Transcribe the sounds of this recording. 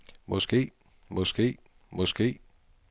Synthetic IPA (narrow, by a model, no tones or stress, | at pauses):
mɔsɡ̥ḛː | mɔsɡ̥e̝̰ː | mɔsɡ̥e̝̰ː